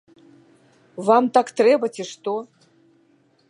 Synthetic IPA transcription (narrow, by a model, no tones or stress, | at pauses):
vamt̪akt̪rebɐtʰʲiʂt̪o